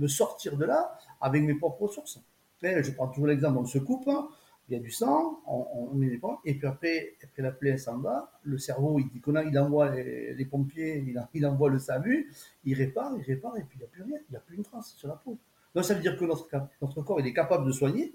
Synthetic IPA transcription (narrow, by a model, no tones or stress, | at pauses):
məsɔʁt̪iʁd̪əlaavɛkmepχɔpχəsuʁs | ɛ̃ʒəpχɑ̃t̪uʒuʁlɛɡzɑ̃plɔ̃səkup | iljad̪ysɑ̃ɔ̃mɛd̪epɔ̃epɥiapχɛapχɛlaplɛ̃sɑ̃baləsɛʁvoild̪ikɔnailɑ̃vwalḛlepɔ̃pjeil̃ilɑ̃vwaləsalyiʁepaʁiʁepaʁepɥiiljaplyʁjɛ̃iljaplynt̪χɑ̃ssyʁlapo | d̪ɔ̃savəd̪iʁkənɔt̪χəkanɔt̪χəkɔʁilɛkapabləd̪əswaɲe